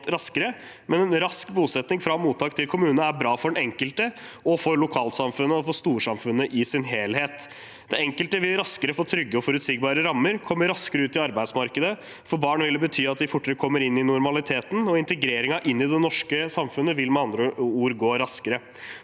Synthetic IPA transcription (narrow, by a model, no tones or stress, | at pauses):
t̪ɾɑskəɾə | mɛnɛnɾɑskbuːsɛt̪nɪŋfɾɑmuːt̪ʰːɑːkt̪ʰɪlkʰʊmʉːnæɾbɾɑːfɔɖɛnɛŋkəlt̪əɔfɔɾlʊkʰɑːlsɑmfʉnːəɔfɔst̪uːʂɑmfʉnːəʔɪsɪnɦeːlheːt̪ | d̪̥ɛɛŋkəlt̪əʋɪlɾɑskəɾəfoːt̪ʰɾʏɡːəɔfɔɾʉt̪siːɡ̚bɑːɾəɾɑmːəɾkʰɔmːəɾɑskəɾəʉːt̪ɪɑɾbæɪd̪smɑɾkəd̪ə | fɔɾbɑːɳʋɪlːəbət̪ʰyːɑt̪̚d̪ɪfʊʈːəɾəkʰɔmːəɾɪnːɪnʊɾmɑlɪt̪ʰeːt̪n̩ɔɪnt̪əɡɾeːɾɪŋɑʔɪnːɪd̪ɛnɔʂkəsɑmfʉnːəʋɪlmɛɑnd̪ɾəuːɾɡoːɾɑskəɾə